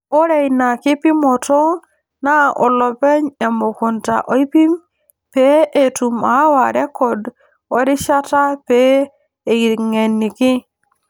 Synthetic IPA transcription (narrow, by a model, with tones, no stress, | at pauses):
o˦ɾe˨jna˨ki˦pi˦mo˨to˦ | na˦ʔo˨lo˨pe˦ɲe˨mo˨ku˨nta̰˨ʔo˨˦i˦pi˦m | peʔe˨tu˨ma˨˦wa˨ɾe˦kːɔ˨d | o˦ɾi˦ʃa˦ta˦peː˦˨ | i˨ŋe˨nːi˨ki˦